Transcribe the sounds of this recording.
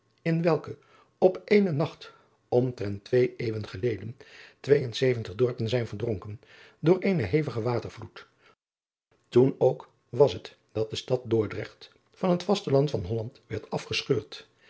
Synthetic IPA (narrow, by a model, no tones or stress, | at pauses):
ɪnʋɛlˠkə | ɔpʔejnənɑχt | ɔmtrɛntʋejejʋənχəlejdəntʋejənsejvəntəχdɔɹpənzɛjnvəɹdrɔŋkən | dʊːɹʔejnəɦejvəχəʋaːtəɹvlut | tunowk | ʋɑsɦət | d̥ɑt̚dəstɑt̚dʊːɹdrɛχt | fɑnɦətfɑstəlɑntfɑnɦɔlɑntʋɛɹtɑfχəsχøːɹt